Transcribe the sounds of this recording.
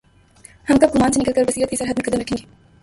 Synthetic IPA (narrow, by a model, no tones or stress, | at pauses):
hɐmkɐb̚ɡʊmaːnsenɪkəlkəɾbəsiːɾət̪kisɐɾɦət̪mẽkɐd̪əmɾɐkʰːẽːŋɡeː